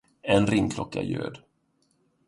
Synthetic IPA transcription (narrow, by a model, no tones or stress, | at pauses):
ɛnɾɪŋkʰlɔkːajø̰ːd̪